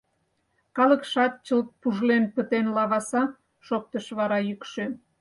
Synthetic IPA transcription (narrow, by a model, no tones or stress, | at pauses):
kɑləkʃɑt̪̚t͡ɕəlt̪̚puʒlenpət̪enlɑβɑsɑ | ʃok̚t̪əʃβɑɾɑjykʃø